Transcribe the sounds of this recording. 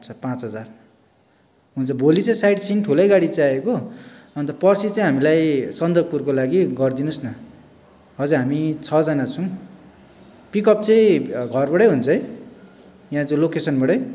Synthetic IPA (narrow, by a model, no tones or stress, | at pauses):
t͡sʰʌpãt͡sɦʌd͡zar | ɦunt͡sʰʌbʱolit͡sʌĩsajɽsʰinʈʰulʌjɡaɽit͡saaekoʌnt̪ʌpʌrsit͡saĩɦamilajsʌnd̪ʌɡ̚purkolaɡiɡʌrd̪inusnʌ | ɦʌd͡zʌɦamit͡sʰʌd͡zʌnat͡sʰʌw̃ | pikʌp̚t͡sʌĩɡʱʌrbʌɽʌjɦunt͡sʰʌ | jãd͡zõlokesʌnbʌɽʌj